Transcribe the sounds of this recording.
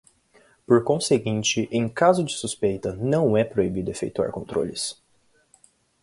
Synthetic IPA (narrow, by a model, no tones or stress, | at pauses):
poɾkõseɡĩnt͡ʃɪʔẽj̃kazʊd͡ʒɪsuspejt̪ɐnɐ̃w̃ɛpɾoibid̪ʊefḛjt̪ua̰ɾkõnt̪ɾo̰lɪs